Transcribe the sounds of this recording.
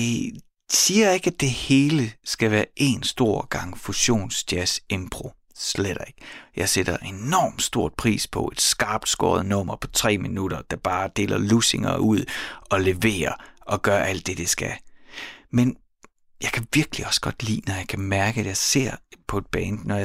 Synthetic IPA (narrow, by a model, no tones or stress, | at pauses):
e | siːɐje̝ɡ̥æd̥e̝he̝ːləsɡ̥æʋæːɐʔe̝ːnsd̥o̝ɐ̰ɡ̥ɑ̈ŋ̰fuɕo̝̰ːnsd̥jæse̝mb̥ʁo̝ | sleɾ̥eɡ̥jɑ̈ɪseɾ̥ɐʔe̝nɒ̰ːmd̥sd̥o̝ɐ̰d̥̚pʰʁḭːspʰɒ̽ʔe̝d̥sɡ̥ɑ̈ːb̥̚d̥sɡ̥ɒ̰ːɐð̞̩ˠnɔ̽m̰ɐpʰɒ̽t͡sʰʁɛ̰ːminuɾ̥ɐd̥æb̥ɑ̈ːd̥e̝̰ːlɐluse̝ŋɐ̰uð̞̰ˠɒ̽le̝ʋe̝̰ːɐɒ̽ɡ̥ɶɐʔæl̰d̥e̝d̥esɡ̥æ | men | jɑ̈ɪkʰæʋiɐɡ̥əliɒ̽sɡ̥ɒ̽d̥lḭːnɒjɑ̈ɪkʰæmæɐɡ̥əæd̥jɑ̈ɪse̝ɐ̰pʰɒ̽e̝d̥̚b̥ɛːnnɒj